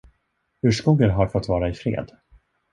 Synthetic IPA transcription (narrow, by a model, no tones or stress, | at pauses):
hɵʂkuːɡənɦaɾfɔt̪ːvɑːɾaɪfɾḛːd̪